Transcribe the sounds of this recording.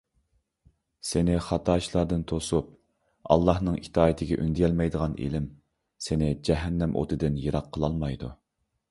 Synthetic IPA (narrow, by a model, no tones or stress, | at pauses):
sɪnɪχɑt̪ʰɑːʃlˠɑɾd̪ɨnt̪ʰosup̚ | ɑ̰lˠːɑhnɨŋit̪ʰɑːit̪ʰɪɡʲɛʔynd̪ɪjʲɛlmɛjd̪əʁɑnʔḛlɪm | sɪnɪd͡ʒɛɦɛnːɛmʔo̰t̪ʰɨd̪ɪnjeɾɑqʰːəlˠɑlˠmɑjd̪u